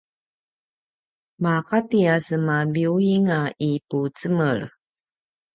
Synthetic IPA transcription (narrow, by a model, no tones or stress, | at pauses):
maqatiasəmabiuiŋaiput͡səməɭ